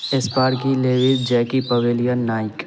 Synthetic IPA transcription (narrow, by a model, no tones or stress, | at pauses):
espaːɾkileːʋɪsd͡ʒɛːkipɐʋeːlijənːaːɪk